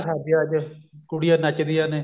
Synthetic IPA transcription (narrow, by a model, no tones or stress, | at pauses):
sʰaːd̪ijãːd͡ʒkʊɽijaːnət͡ʃd̪ijãːneː